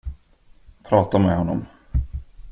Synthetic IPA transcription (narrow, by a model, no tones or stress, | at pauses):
pʰɾɑːt̪amɛɦɔnːɔ̰m